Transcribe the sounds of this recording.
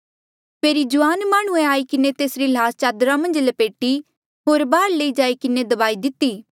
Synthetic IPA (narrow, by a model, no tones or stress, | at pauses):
pʰeːɾid͡ʒʊʋaːnmaːɽ̃ũẽaːikɪnet̪eːsɾilaːst͡ʃaːd̪ɾamɐ̃nd͡ʒləpeːʈi | ɦoːɾbaːɾleid͡ʒaːikɪned̪ɐbaːid̪ɪt̪ːiː